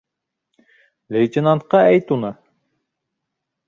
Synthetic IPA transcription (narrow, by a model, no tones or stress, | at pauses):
lejt̪enɑnt̪̚qɑɛjt̪unə